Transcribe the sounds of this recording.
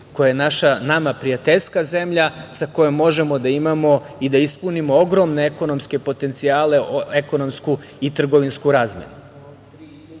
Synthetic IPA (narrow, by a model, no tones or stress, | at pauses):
kojajenaʃanamapɾijat̪eʎskaze̞mʎasako̞jo̞mːo̞ʒe̞mo̞d̪aimamo̞ | id̪aispunimo̞oɡɾo̞mne̞eko̞no̞mske̞po̞t̪e̞nt̪siaːle̞oeko̞no̞msku | it̪r̩ɡo̞ʋinskuɾaːzmḛnu